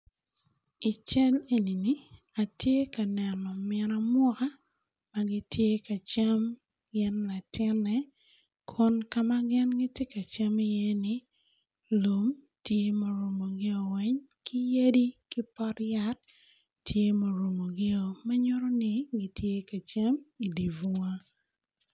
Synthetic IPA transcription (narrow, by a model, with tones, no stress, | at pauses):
ɪ˨t͡ʃɛ˦le˨ni˨ni˦ | a˨tje˦ka˨nɛ˨nɔ˨mɪɛ˨ɾa˦mwɔ˦ka˦ | ma˨ɡɪ˦tje˦ka˨t͡ʃa˦m | ɡɪ˦nla˨tɪ˦nːɛ˨ | kʰɔ˦nka˨ma˦ɡɪ˦nɡɪ˦tje˦ka˨t͡ʃa˦mɪ˦je˦nɪ˦ | lo˨m | tje˦mo˨ɾo˨mo˨ɡɪ˦o˨wɛ˦ɲ | kɪ˦je˦di˦kɪ˦pɔ˦ɾja˦t̚ | tje˦mo˨ɾo˨mo˨ɡɪ˦o˨ma˦ɲɔ˦ɾɔ˦nɪ˦ɡɪ˨tʰje˦ka˨t͡ʃa˦mi˨di˨vu˨˦a˦